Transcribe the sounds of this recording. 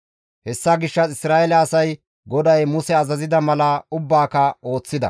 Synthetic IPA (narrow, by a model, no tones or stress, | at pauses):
hɛsːaɡɪʃːɐt͡sɪsɾaːɛlɐːsɐj | ɡɔd̪ɐjmʊsɛɐzɐzɪd̪ɐmɐlɐʊbːaːkɐo̞ːt͡sːɪd̪ɐ̰